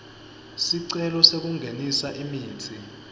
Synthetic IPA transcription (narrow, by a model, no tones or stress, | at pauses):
siǀɛlɔsek̬uŋɡʱenisaʔimiːnt͡sʰʼi